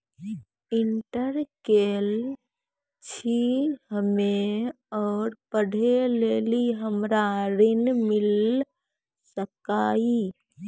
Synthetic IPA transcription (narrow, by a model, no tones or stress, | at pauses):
ɪɳʈəɾkel | t͡ʃʰihəme | ɔːɾpəɽ̤ʱeleːliɦəmɾaɾɪnmɪl | səkaːi